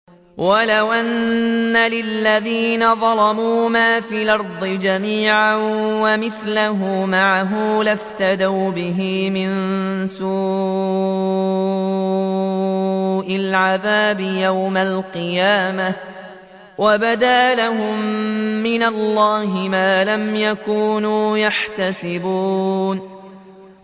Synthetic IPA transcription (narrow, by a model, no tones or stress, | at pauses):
walawʔanːalɪlːaðiːnaðˤɑlɑmuːmaːfiːlʔɑɾˤd̪ˤɨd͡ʒamiːʕanwamɪθlaɦʊmaʕaɦʊmlaft̪ad̪awbɪɦɪmɪnsuː | ʔalʕaðaːbɪjawmalqɨjaːma | wabad̪aːlaɦʊmːɪnalːɑːɦɪmaːlamjakuːnuːjaħt̪asɪbuːn